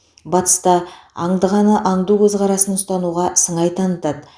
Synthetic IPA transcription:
bɑt̪ə̥st̪ɑɑ̰ɴd̪əʁɑnəʔɑɴd̪ukʲʰɵzʁɑɾɑsənʊst̪ɑnuʁɑsəɴɑjt̪ʰɑnət̪ɑd̪

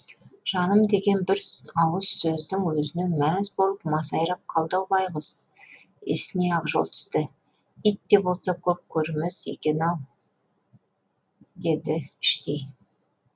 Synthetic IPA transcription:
ʒ̥ɑnəmd̪e̞ɡʲe̞nbɪɾɑwəzsɵzd̪ɪŋwɵzɪne̞nmæzbo̞lˠəp̚mɑsɑjɾɑp̚qʰɑlˠd̪ɑwbɑjʁəz | ḛsɪne̞ɑqʒo̞̰lˠt̪ʰʏ̥st̪ɪ | it̪ːe̞bo̞lˠsɑkʲʰɵp̚kʲʰɵɾmesḛkʲe̞nɑw | d̪e̞d̪ɪɪʃt̪ej

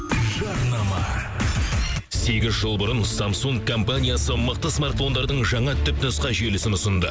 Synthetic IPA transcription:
ʒɑɾnɑmɑ | se̞ɡʲɪzʒəlˠbʊɾənsamsuŋɡkʰːo̞mpanʲijasəməq̚t̪əsmart̪fo̞nd̪ɑɾd̪əɴʒɑɴɑt̪ʰʏpnʊsqɑʒelɪsɪnʊsənd̪ə

